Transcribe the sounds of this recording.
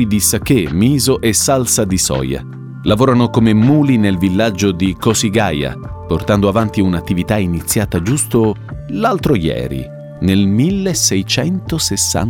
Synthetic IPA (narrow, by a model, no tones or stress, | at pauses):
jd̪isak̟emiːzoʔɛsːalsad̪isɔ̰ːja̰ | lavoːɾanokomemuːlinelvilːad͡ʒːod̪ikɔsiɡaja̰port̪and̪oavant̪iunat̪ːivit̪ainit̪sːjaːt̪ad͡ʒust̪olalt̪ɾojɛ̰ːɾḭ | nelmilːesɛjt͡ʃɛnt̪osesːa̰n